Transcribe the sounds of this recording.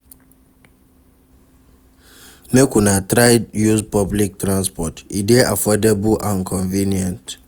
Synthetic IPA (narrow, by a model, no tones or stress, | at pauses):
mekunatɾaɪjuzpɔblik̚tɾãnspɔtḭdeʔa̰fɔdebulãnkʰɔ̃ɱvĩniɛ̃nt